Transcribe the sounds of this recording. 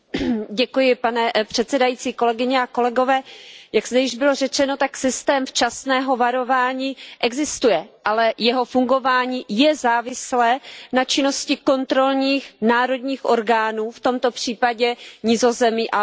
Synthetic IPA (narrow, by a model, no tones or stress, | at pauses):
ɟɛkujɪpanɛpr̥ɛt̪sɛdajit͡siːko̞lɛɡɪɲɛako̞lɛɡo̞vɛːjaɡz̥d̪ɛjɪʒbɪlo̞rɛt͡ʃɛno̞t̪aksɪst̪ɛːmft͡ʃasnɛːɦo̞vaɾo̞vaːɲiːʔɛɡzɪst̪ujɛʔalɛjɛɦo̞fuŋɡo̞vaːɲiːjɛzaːvɪslɛːnat͡ʃɪno̞scɪko̞nt̪ɾo̞lɲiːxnaːɾo̞d̪ɲiːxʔo̞ɾɡaːnuːft̪o̞mt̪o̞pr̝̥iːpaɟɛɲɪzo̞zɛmiʔa